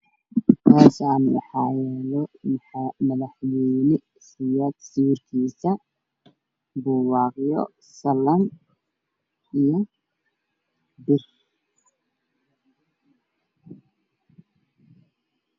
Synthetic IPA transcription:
k̪ʰaːsaːnwɑ̰ħɑːjɛːlɔ | mɐðɐħwɛjnɪ | sɪjaːd̪siwrkʰiːsɐ | buːwɑːqjɔ̰ | sɐlɐm | ʔijɔ | bɪr

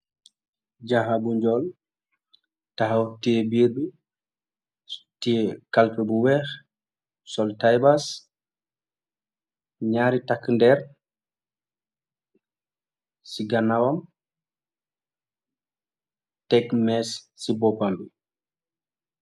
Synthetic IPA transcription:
d͡ʒaɦabuɲd͡ʒɔl | taɦawtibiɾdu | tikalpɛbuwɛx | sɔltajbas | ɲaːɾitakːndɛɾ | siɡanːawam | tɛkmɛsːibɔpambi

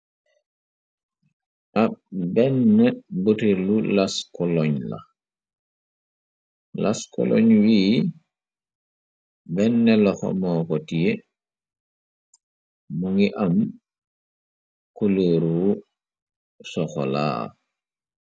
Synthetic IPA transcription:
ʔabɛnːɛbotiɾlulaskɔlɔɲla̰ | laskɔ̰lɔ̰ɲwiː | bɛnːɛlɔxɔ̰mɔkɔtije | muŋiʔam | kuləːɾu | sɔxɔ̰la̰ː

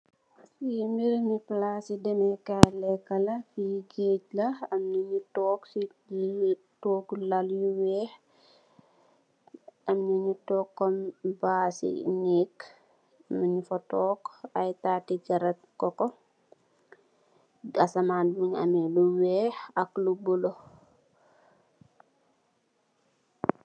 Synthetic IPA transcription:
simbiɾmiplasidɛmɛkalɛkːɐlɐfiɡeːɟlɐɐmnɐɲutɔːksi | toːklɐljuwɛːh | ɐmnɐɲutɔkːɔmbaːsḭnek | mɐɲifɔtɔːkɐjtaːtiɡɐɾɛt̚kɔkɔ | ɐsɐmaːnmuɲɐ̰mɛluwɛːxɐklubɔlo

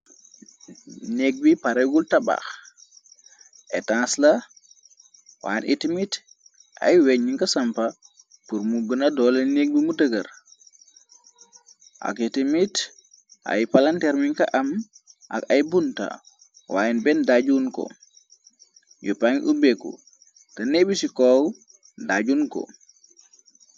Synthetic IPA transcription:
neɡ̚bipaɾeɡultaba̰x | ʔɛtãnsla | wa̰ːjnʔitimit | ʔa̰jwɛɲːiŋkasampa | puɾmuɡənadɔlanek̚bimudəɡaɾ | ʔa̰kitimit | ʔa̰jpalantɛɾmiŋkaʔam | ʔa̰kajbunta̰ | waːjɛnbɛndaɟunko̰ | jupaŋʔubekːṵ | tɐnebisikɔw | daɟuːnko̰

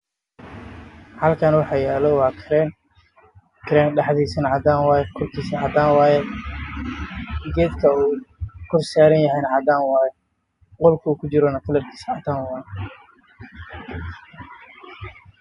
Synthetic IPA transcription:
hɐlkʰaːnwɑħɑjɛːlɔwɑːkʰɪɾɛn | kʰɪɾɛːnɖɑħd̪iːsɐnɐʕɑd̪aːnwaːjɛkʰɔrkʰiːsɐʕɑd̪aːnwaːjɛ | ɡɛːd̪kʰɐuːkʰɔrsaːɾɐnjɐɦɛjnɐʕɑd̪aːnwaːjɛ | qɔlkʰɐuːkʰʊt͡ʃɪɾɔnɐkʰɐlɐrkʰiːsɐʕɑt̪aːnwɑːj

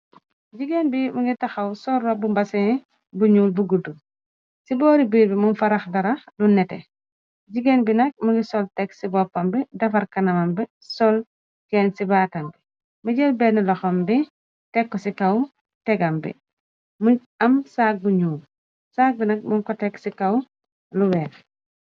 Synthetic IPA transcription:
ɟiɡenbimuŋɡitɐxɐwsɔlːɔbumbɐsɛ | buɲuːlbuɡudu | sibɔːɾibiːɾbimunfɐɾɐxdɐɾɐxdunɛtɛ̰ | ɟiɡenbinɐk̚muŋɡisɔltɛksibɔpːɐmbidɐfɐɾkɐnɐmɐmbi | sɔl | kɛːnsibaːtɐmbi | muɟɛlbɛnilɔxɐmbi | tɛkːɔsikɐw | tɛɡɐmbḭ | mu | ɐmsaːk̚buɲuːl | saːk̚binɐk̚muŋkɔtɛksikɐw | luwɛːn

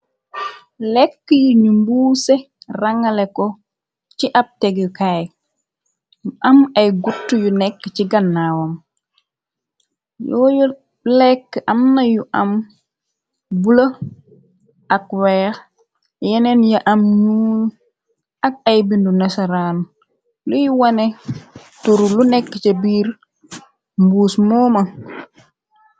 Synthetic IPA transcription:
lɛkːəjuɲumbuːsɛ | raŋːalɛkɔ | t͡ʃiʔap̚tɛɡukaj | mʔamajɡutːujunɛkːət͡ʃiɡanːaːwɔm | jɔːju | lɛkːʔamnajuʔam | bula | ʔakwɛːx | jɛnɛnjaʔamɲuːn | ak̚ajbindunasaɾan | lujuwanɛ | tuɾulunɛkːət͡ʃabiːɾ | mbuːsmɔːma

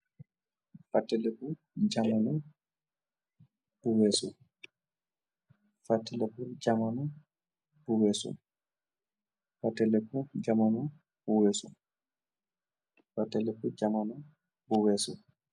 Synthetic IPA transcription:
fatːɛlɛku | d͡ʒamanɔ | b̥uwɛsṵ | fatːɛlɛkud͡ʒamanu | b̥uwɛsṵ | fatːɛlɛkud͡ʒamanu | b̥uwɛsṵ | fatːɛlɛkud͡ʒamanɔ | buwɛsṵ

